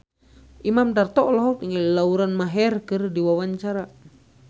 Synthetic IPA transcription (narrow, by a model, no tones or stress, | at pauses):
ʔimamdart̪ɔʔlɔɦɔp̪iŋɡallauɾanmaɦɛrkɨrdiwawaɲt͡ʃaɾa